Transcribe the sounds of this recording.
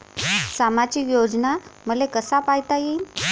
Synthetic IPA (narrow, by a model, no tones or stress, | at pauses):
samad͡ʑikjod͡ʑnam̤əlekəsapajt̪aji